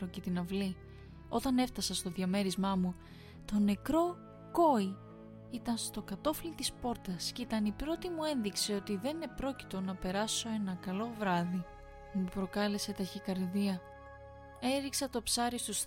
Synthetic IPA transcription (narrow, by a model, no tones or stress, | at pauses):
ɾoce̞t̪inɐvli | o̞t̪ɐne̞ft̪ɐsɐst̪o̞ðjɐme̞ɾizmɐmu | t̪o̞ne̞kɾo̞ | ko̞i | it̪ɐnst̪o̞kɐt̪o̞filit̪ispo̞ɾt̪ɐscit̪ɐnipɾo̞t̪imue̞nðikseo̞t̪iðe̞nepɾo̞ci̥t̪o̞nɐpe̞ɾɐso̞e̞nɐkɐlo̞vɾɐði | mupɾo̞kɐle̞se̞t̪ɐçikɐɾðiɐ | e̞ɾiksɐt̪o̞psɐɾist̪us